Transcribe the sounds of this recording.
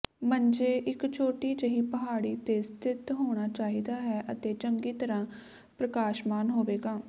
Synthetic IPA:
mənd͡ʒeːʔɪkt͡ʃʰoːʈiːd͡ʒəɦiːpəɦaːɽiːt̪eːst̪ʰɪt̪ɦoːɽ̃aːt͡ʃaːɦiːd̪aːɦɛːʔət̪eːt͡ʃəŋɡiːt̪əɾãː | pɾəkaːʃmaːnɦoːʋeːɡaː

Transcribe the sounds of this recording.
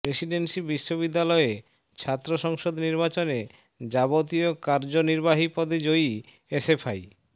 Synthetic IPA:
pɾesiɖensibiʃːobid̪ːalɔe | t͡ɕʰat̪ːɾoʃɔŋʃod̪niɾbat͡ɕone | d͡ʑabot̪̬iokaɾd͡ʑoniɾbaɦipɔd̪ʱed͡ʑoj | esefʰaj

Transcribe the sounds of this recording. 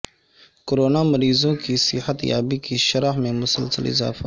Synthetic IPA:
koɾoːnamɐɾiːzõkisɪ̰hɐt̪ja̰ːbikʰiʃɐɾahmẽmʊsɐlsə̰lɪ̰za̰ːfa

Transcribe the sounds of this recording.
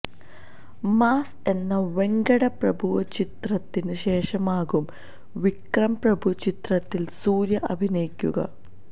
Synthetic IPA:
maːse̞nːɐʋe̞ŋɡɐɽɐprɐbʱuʋɐt͡ɕit̪rɐt̪ːinɨɕe̞ːʂɐmaːɣum | ʋikrɐmprɐbʱut͡ɕit̪rɐt̪ːilsuːɾjɐʔɐbʱinɐjikʲːuɣɐ̰

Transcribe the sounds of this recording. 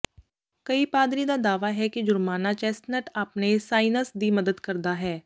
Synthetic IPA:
kəipaːd̪ɾid̪aːd̪aːʋaːɦɛːked͡ʒʊɾmaːnaːt͡ʃɛːsʈnəʈaːpnesaːɪnəsd̪iːməd̪əd̪kəɾd̪aːɦɛː

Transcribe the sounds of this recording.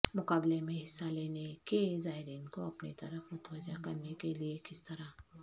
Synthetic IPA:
mʊkaːblemẽɦɪsːaleːnekezaːɦɪɾiːnkoɐpnit̪ɐɾəfmʊt̪ʋəd͡ʒakɐɾnekeliekɪst̪ɐɾa

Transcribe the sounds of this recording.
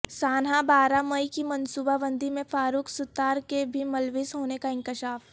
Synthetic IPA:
saːnɦabaːɾamɐikimɐnsuːbaʋə̃nd̪ʱimẽfaːɾuːksʊt̪ːaːɾkebʱimɐlʋɪsɦoːnekaɪ̃ŋkɪʃaːf

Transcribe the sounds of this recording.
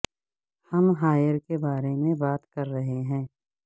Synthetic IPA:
hɐmɦaːjəɾkebaːɾemẽbaːt̪kɐɾːɐɦeɦɛ̃ː

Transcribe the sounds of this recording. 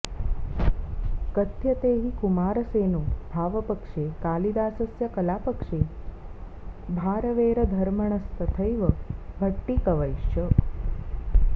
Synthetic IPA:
kət̪jɐt̪eːɦikumaːɾəseːnoːbʱaːʋəpəkʂeːkaːlid̪aːsəsjɐkəlaːpəkʂeː | bʱaːɾəʋeːɾəd̪ʱɐɾməɳ̃əst̪ʰət̪ʰəjʋəbʱəʈːikɐʋəjʃə

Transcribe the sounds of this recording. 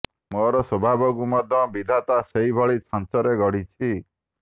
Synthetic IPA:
mɔɾɔsɔbʱabɔkumɔd̪ʱjɔbid̪ʱat̪aseɦibʱɔɭit͡ʃʰant͡ʃɔɾeɡɔɽ̤it͡ʃʰi

